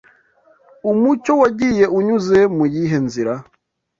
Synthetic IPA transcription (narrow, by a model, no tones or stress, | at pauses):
umut͡ʃo̞waɟije̞ʔuɲuze̞mujiɦe̞nziɾa